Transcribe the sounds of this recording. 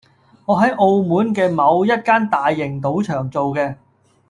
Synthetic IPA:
ŋɔː˨˧ɦɐ˨˥jʔo˧wmuː˨˥nkɛː˧mɐ˨˧wjɐ˥t̚kaː˥nt̪aː˨jːɪ˨˩ŋt̪o˨˥wt͡ʃʰœː˨˩ŋt͡so˨wkɛː˧

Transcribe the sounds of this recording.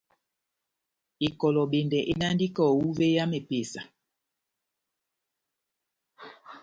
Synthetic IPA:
i˨kɔ˨lɔ˨ɓe˨ndɛ˨ʔe˦na˦ndi˦kɔ˦˨wu˦ve˦ja˦me˨pe˨sa˨

